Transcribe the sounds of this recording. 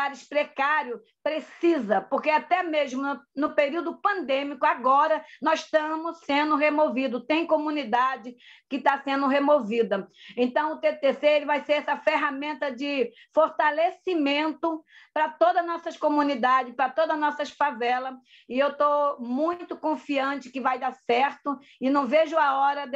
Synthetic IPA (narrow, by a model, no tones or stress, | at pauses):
aɾɪʃpɾekaɾjʊ | pɾesizɐpoɾkeat̪ɛmeʒmʊnnʊpeɾiwd̪ʊpɐ̃nd̪ẽmikʊaɡɔɾɐnɔzʃt̪ɐ̃mʊssẽnd̪ʊɦemovid̪ʊt̪ẽj̃kõmũnid̪ad͡ʒɪkɪt̪asẽnd̪ʊɦemovid̪ɐẽnt̪ɐ̃w̃ʊt̪et̪eseeɾɪvajseɾɛsɐfeɦamẽnt̪ɐd͡ʒɪ | foɾt̪alesimẽnt̪ʊpɾɐt̪od̪ɐnɔsɐskomũnid̪ad͡ʒɪspɾɐt̪od̪ɐnɔsɐʃfavɛlɐ | ɪewt̪omũj̃t̪ʊkõfiɐ̃t͡ʃɪ̥kɪvajd̪aɾsɛɾt̪ʊ | ɪnɐ̃w̃veʒʊaɔɾɐ